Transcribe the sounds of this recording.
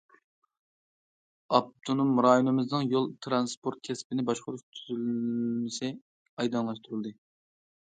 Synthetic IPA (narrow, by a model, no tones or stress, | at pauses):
ɑb̚t̪ʰunumɾɑjonɨmɨznɨŋjolˠt̪ʰɾɑnspʰoɾt̪̚kʲʰɛspɪnɪbɑʃqʊɾuʃt̪ʰyzylmɪsɪ | ɑjd̪ɑŋlˠɑʃt̪uɾɨlˠd̪ɨ